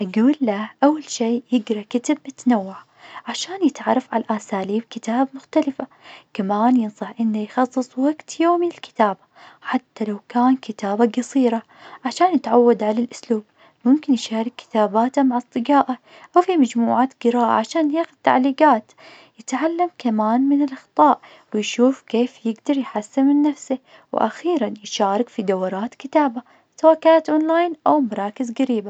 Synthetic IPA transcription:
ʔaɡuːlːaʔawːalʃiːjɪɡɾˤɑkat̪abmɪt̪nawːaʕa | ʕaʃaːnjɪt̪ʕɑ̰ɾˤːɑfʕa̰laʔasaːliːb̚kɪt̪aːbmʊxt̪alɪfa | kamaːnjɪnsˤɑħʔɪnːajxɑsˤːɨsˤwaɡt̪joːmiɪlkɪ̥t̪aːbaħat̪ːalawkaːnkɪt̪aːbaɡɑsˤiːɾˤɑ | ʕaʃaːnjɪt̪ʕawːad̪ʕalalʔʊsluːb̚ | mʊmkɪnjʃaːɾˤɑkːɪ̥t̪aːbaːt̪amaʕɑsˤt̪ˤɨd͡ʒaːʔa | ʔawfimad͡ʒmuːʕaːt̪ɡ̥ɪɾaːʔa̰ʕaʃaːnjaːxʊd̪̚t̪ːa̰ʕliːɡaːt̪ | jɪt̪ʕalːamkamaːnmɪnɪlʔɑxt̪ˤɑːʔ | wɪjʃuːfkeːfjɪɡd̪ɑɾˤjħasːɪmmɪnːafsɪ | w̰ʔa̰xiːɾanjɪʃaːɾˤɪkfid̪awɾˤɑːt̪kɪt̪aːba | sawaːʔkaːnat̪ʔonlaːjnʔawmɑɾˤɑːkɪzɡaɾiːba

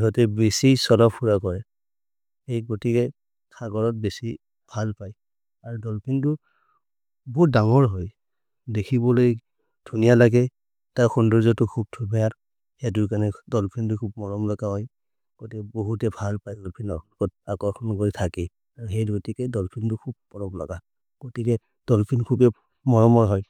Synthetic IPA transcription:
ɦɔtɛbesisɔlɔpʰuɹakɔɹɛ | hejɡotikɛ | tʰaɡɔɹɔt̚besi | b̥ʱalpaj | aɹudɔlpʰintʊ | bɔɦut̚daŋɔɹɦɔj | dekʰibɔloj | d̥ʱunijalaɡɛ | taɹxundɔɹzɔtukʰub̚tʰubʱɛjat | hɛduɹk̬anɛdɔlpʰintʊkʰub̚mɔɹɔmlɔɡaɦɔj | ɡ̥otiboɦutɛbʱalpajɡɔlpʰinɔkkɔt̚akɔkʰɔnɡoɹitʰakɛ | aɹuɦejdɡotikɛdɔlpʰintʊkʰub̚pɔɹɔmlɔ̰ɡa | ɡ̥otikɛ | d̥ɔlpʰinkʰubɛ | mɔɹɔmɔɹɦɔj

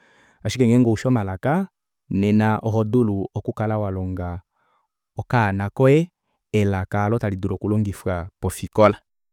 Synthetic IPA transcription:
aʃikɛŋɡɛŋɡɔuʃɔmalaka | nɛnaʔɔɦɔduluɔkukalawalɔŋɡa | ɔkanakɔɛ | ɛlakalɔtaliduɾɔkulɔŋɡifapɔfikɔla

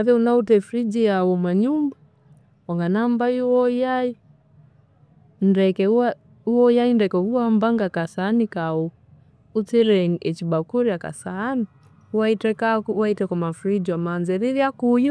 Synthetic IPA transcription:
naðɛunautɛfɾid͡ʒiawɔmaɲuma | waŋɡanambaiɔjai | ndɛkɛa | uɔjaindɛkɛuwambaŋɡakasanikau | ut͡sɛɾɛŋɛt͡ʃibakuɾiaka̰saːni | uwaitɛkawaitɛkɔmafɾid͡ʒiwamanzɛɾiɾiakujɔ

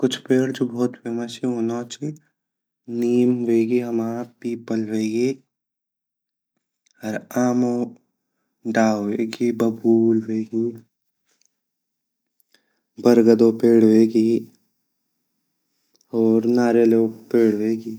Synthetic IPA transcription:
kʊt͡ʃʰpeːɽd͡ʒoːbʱɔːt̪pʰeːmasiɦonaːt͡ʃʰi | niːmʋeːɡiɦɐmaːpiːpəlʋeːɡeː | ɐɾaːmõ | ɖaːeːɡiːbɐbuːlʋeːɡiː | bəɾɡəd̪oːpeːɽ̤ʋeːɡiː | ɔːɾnaːɾeloːɡpeːɽʋeːɡiː

